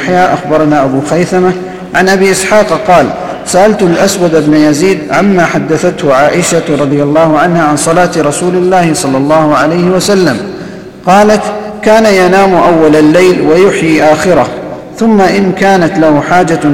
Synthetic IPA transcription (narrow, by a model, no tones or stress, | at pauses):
ħjaːʔaxbɑɾˤɑnaːʔabuːxajθama | ʕanʔabiːʔɪsħɑːqqɑːl | saʔalt̪alʔaswad̪bnajaziːd̪ʕamːaːħad̪ːaθat̪hʊʕaːʔɪʃaɾˤɑd̪ˤɪjalˤːɑːhʊʕanhaːʕansˤɑlaːt̪ɾˤɑsuːlɪlːaːhɪsˤɑlːɑlˤːɑːhʊʕalajhɪwasalːam | qɑːlat̪ | kaːnajanaːmʔawːalalːajlwajʊħjiːʔaːxɪɾah | θʊmːaʔɪnkaːnat̪lahʊħaːd͡ʒa